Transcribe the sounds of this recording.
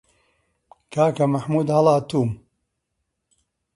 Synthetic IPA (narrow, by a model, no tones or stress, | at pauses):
kʰaːkɐmɐħmuːd̪hɐlaːt̪uːm